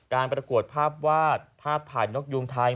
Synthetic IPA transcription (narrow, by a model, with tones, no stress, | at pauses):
kaː˧npɾa˧ku˨˩ət̪̚pʰaː˥˩p̚waː˥˩t̪̚pʰaː˥˩p̚t̪ʰaː˨˩jno˦˥k̚ju˧ŋt̪ʰaː˧j